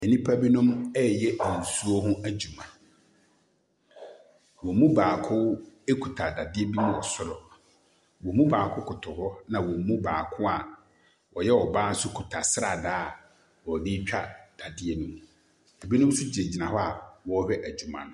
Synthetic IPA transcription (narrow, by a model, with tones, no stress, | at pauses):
ɛ˨nĩ˦pʰa˦bi˦nʊ̃˦mɛ˦jɛ˦˨n̩˨su˦o˦ɦʊ̃˦æ˨d͡ʑu˨mã˨ | wɔ˨mũ˦baː˨kʰʊ˦e˦kʰu˨tʰa˨da˨dɪ˦e˦bi˦mʊ̃˦ɔ˨sʊ˦ɾɔ˨ | wɔ˨mũ˦baː˨kʰʊ˦kʰʊ˨tʰʊ˨hɔ˦nã˨wɔ˨mũ˦baː˨kʰʊ˦a˨ | wʔɔ˨jɛ˦ɔ˨baː˦n̩˦sʊ˦kʰu˨tʰa˨sɾa˨daː˦˨ | wɔ˨di˦t͡ɕᶣa˨d̥a˨dɪ˦e˦nũ˦m˨ | e˨bi˦nʊ̃˦m˦sʊ˦d͡ʑɪ˨e˨d͡ʑi˨nã˨hɔ˦a˨wɔ˦hᶣɛ˦ʔæ˨d͡ʑu˨mã̰˨nʊ̃˨